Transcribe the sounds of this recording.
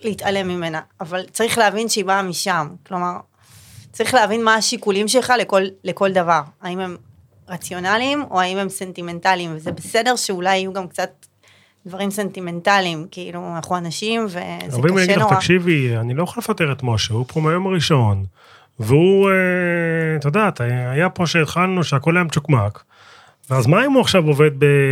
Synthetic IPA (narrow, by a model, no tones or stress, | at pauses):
leitale̞mime̞naːvalt͡saʁiχleavinʃeibaːmiʃamklo̞maʁ | t͡saʁiχleavinmaːʃikulimʃe̞lχaleko̞lːeko̞ldavaʁaime̞m | ʁat͡sjo̞nalimo̞̰aime̞mse̞ntime̞ntalimvezebese̞de̞ʁʃeulajajuɡamkt͡sat̪̚ | d̪vaʁimse̞ntime̞ntalimkiilunaχuanaʃimvḛabimmiaɡilaat̪akʃivianilo̞joχolefat̪eʁet̪moʃeupʰomajo̞maʁiʃo̞n | veue | t̪od̪at̪aajapo̞ʃeːd̪χalnuʃeako̞lajamt͡ʃukmak | veazmaaimuaχʃavoved̪̚be